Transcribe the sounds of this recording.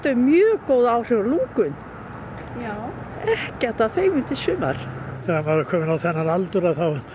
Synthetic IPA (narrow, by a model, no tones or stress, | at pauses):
t̪ʏmjœːkoːwðaːwr̥ɛɾluŋkʏn | a | ɛhcɛr̥t̪aðθejmʏnt̪ɪsʏːma̰ɾ̥θɛaaɾʏkʰɔːmɪnawθɛnːaɾalt̪ʏɾaθaw